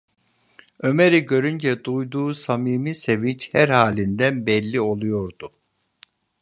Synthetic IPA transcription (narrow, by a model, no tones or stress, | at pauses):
ø̞meɾiɟø̞ɾynd͡ʒɛd̪ujd̪uːsamiːmise̞vint͡ʃhæɾhaːlʲind̪ænbɛlʲːio̞lˠujo̞ɾd̪u